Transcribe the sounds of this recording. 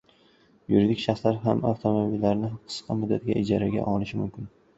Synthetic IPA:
juɾid̪ɪkʲʃaχslaɾɦama̰ft̪ʰomobilːaɾnɪhqʰɨ̥sqʰɑmʊd̪ːat̪ɡʲa̰ʔɪd͡ʒaɾaɡʲa̰ʔɒlɪʃɪmʊmkʲʰɪn

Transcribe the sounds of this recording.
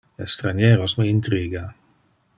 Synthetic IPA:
est̪ɾanjeːɾosmiint̪ɾiːɡa

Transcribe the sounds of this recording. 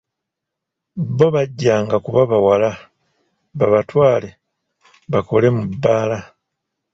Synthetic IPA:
bo̞βaɟːaːŋɡakuβaβawala | βaβatwaːle̞ | βako̞le̞mubːaːla

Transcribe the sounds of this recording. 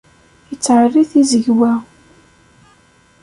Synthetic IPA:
jət͡sːʕərːiθizəʝwæ

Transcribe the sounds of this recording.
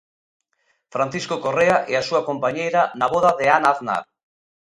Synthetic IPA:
fɾan̟θiskokoreaʔɛasuakompaɲejɾanaβ̞oðaðeanaθna̰ɾ

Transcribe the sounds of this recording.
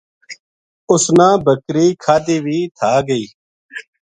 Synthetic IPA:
ʊsnãːbəkɾiːkʰaːd̪eːʋiːt̪ʰaːɡəiː

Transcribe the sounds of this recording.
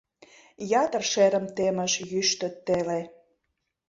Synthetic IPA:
jɑt̪ərʃeɾə̆mt̪emə̆ʃjyʃt̪ə̆t̪ːele

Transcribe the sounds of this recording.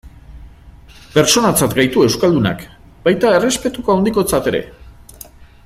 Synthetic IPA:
pe̞ɾt͡so̞nat͡sat̪ɡajt̪ue̞wskald̪una̰k | bajt̪ae̞re̞spe̞t̪ukoawnd̪iko̞t͡sat̪e̞ɾe̞̰

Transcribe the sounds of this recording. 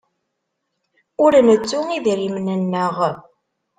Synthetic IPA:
ʊɾnət͡sːʊiðɾimnənːəʁ

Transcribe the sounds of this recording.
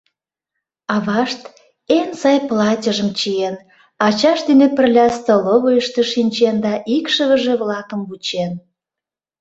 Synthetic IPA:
ɑβɑʃt̪ | ensɑjplɑtʲəʒəmt͡ɕien | ɑt͡ɕɑʃd̪enepərlʲɑst̪əloβojəʃt̪eʃinʲt͡ɕend̪ɑʔikʃəβə̆ʒe̽βlɑkə̆mβut͡ɕen

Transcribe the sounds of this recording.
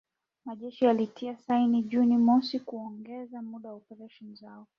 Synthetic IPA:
maʄɛʃialitʰiasainiʄunimɔsikuɔŋɡɛzamuɗawaɔpɛɾaʃɔnizaɔ

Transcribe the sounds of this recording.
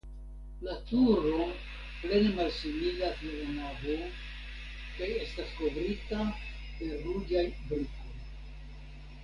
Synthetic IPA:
latuɾo̞ | ple̞ne̞malsimilateunavo | kaje̞stasko̞vɾita | pe̞ɾud͡ʒajbɾiko̞j

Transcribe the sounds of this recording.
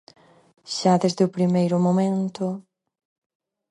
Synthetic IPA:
ʃaðezðeʊpɾimejɾʊmomẽnt̪ʊ

